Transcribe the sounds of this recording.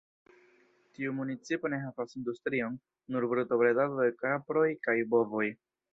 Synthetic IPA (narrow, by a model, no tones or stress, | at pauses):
tiumunit͡sipo̞ne̞ɦavasind̪ust̪ɾio̞nː | uɾbɾuto̞bɾedalojkapɾo̞jkajbo̞vo̞j